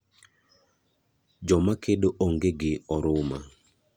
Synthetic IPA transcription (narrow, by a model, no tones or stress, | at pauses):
d͡ʒɔmakʰedoʔoŋɡeɡɪɔɾʊma